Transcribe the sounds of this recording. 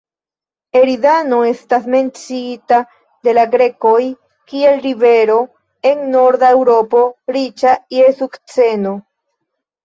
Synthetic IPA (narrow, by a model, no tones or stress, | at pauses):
eɾidano̞e̞stasme̞nt͡sita | de̞laɡɾe̞ko̞j | kie̞lɾive̞ɾo̞ | e̞ŋno̞ɾdaewɾo̞po̞ɾit͡ʃajesukt͡se̞no̞